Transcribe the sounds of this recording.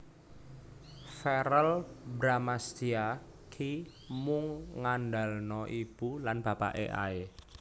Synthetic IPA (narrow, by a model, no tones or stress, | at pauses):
fɛɾəlbɾamast̪ia | kʰi | mʊŋːanɖalnɔʔib̥ulanb̥ä̤pa̰ʔḛʔa̰e